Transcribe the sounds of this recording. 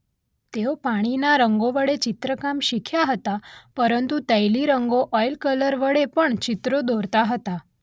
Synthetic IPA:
t̪ewopaɽ̃inaɾəŋɡoʋəɽet͡ɕit̪ɾəkamɕikʰjaɦət̪apəɾənt̪ut̪əjliɾəŋɡoʔɔjlkələɾʋəɽepəɳt͡ɕit̪ɾod̪oɾt̪aɦət̪a

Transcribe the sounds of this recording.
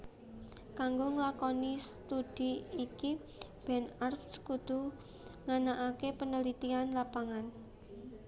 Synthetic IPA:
kaŋɡoŋəlakɔnist̪ud̥iiki | b̥ɛnarfskud̪̥ṳ | ŋanaʔakepənəlit̪ianlapaŋan

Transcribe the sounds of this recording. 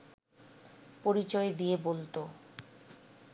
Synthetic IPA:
poɾit͡ɕɔed̪ijebolt̪o

